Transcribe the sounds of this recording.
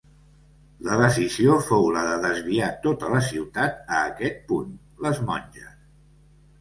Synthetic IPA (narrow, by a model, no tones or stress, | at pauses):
ləðəsiziofowləðəðəzβiat̪ot̪ələsiwt̪at̪̚əːkɛt̪̚pun | ləzmɔnʲʒəs